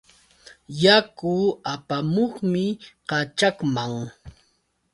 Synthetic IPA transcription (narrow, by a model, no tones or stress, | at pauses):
jakʊapamoχmɪqɑt͡ʃakmaŋ